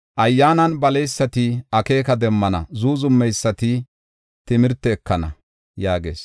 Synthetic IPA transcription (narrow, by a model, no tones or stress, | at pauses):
ʔɐjːaːnɐnbɐlɛjsːɐt̪ɪɐke̞ːkɐd̪ɛmːɐnɐ̰zuːzʊmːɛjsːɐt̪ɪ | t̪ɪmɪɾt̪ːɛːkːɐnɐ̰ | jaːɡe̞̰ːs